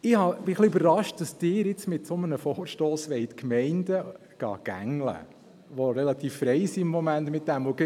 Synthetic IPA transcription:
ɪhɑb̥ɪχliøbərːɑʃt̚d̥ɑsd̥ɪːɾɪt͡smɪtsomənəfɔːɾʃtoːsʋɛɪtkmɛɪndə | ɡ̥ɑ̰ːɡ̥æ̰ŋlə̰ | ʋoɾɛlɑt̪iːfːɾɛɪsiɪmːɔmæntmɪt̚d̥æmvoɡ

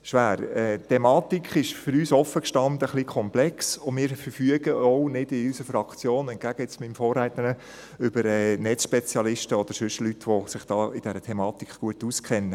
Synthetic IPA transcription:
ʃʋæːɾɛt̪ʰːɛmɑːt̪ikχɪʃfʏɾyːsɔfːəkʃtɑnd̪əχlikʰɔmplɛksʊmɪːɾfəɾfyəɡ̥əɔʊnɪd̥ɪysəfɾɑkt͡sjoːnɛnɡ̥æɡ̥əɪt͡smɪmfɔːræɪt̪ənə | ʏbəɾɛːnɛt͡sʃpɛt͡sjɑlɪʃtəɔd̥̪əɾsʏʃəlytʋɔsɪχd̥ɑːɪd̥ɛɾətʰɛmɑːt̪ikχɡ̥uətuːskχɛnːə

